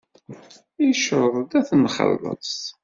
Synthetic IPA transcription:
iʃəɾˤɾˤd̪æθənχə̰lə̰s

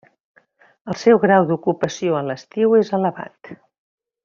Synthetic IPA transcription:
əlˠsɛwɣɾawd̪ukupəsioələst̪iwezələβa̰t̪

